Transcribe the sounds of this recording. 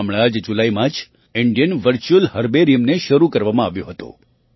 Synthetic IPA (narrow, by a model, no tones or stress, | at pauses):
mɭad͡ʒd͡ʒulaimãt͡ʃ | ɪɳɖijənʋəɾt͡ʃuəlɦəɾbeɾijəmneʃəɾukəɾʋamãaʋjõ̰ɦət̪o̰